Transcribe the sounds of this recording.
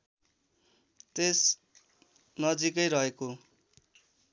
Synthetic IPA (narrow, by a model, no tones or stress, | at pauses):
t̪es | nʌd͡zikʌjɾʌɦeko